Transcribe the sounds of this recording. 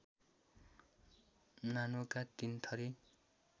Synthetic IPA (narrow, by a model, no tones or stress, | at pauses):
nanokat̪int̪ʰʌɾi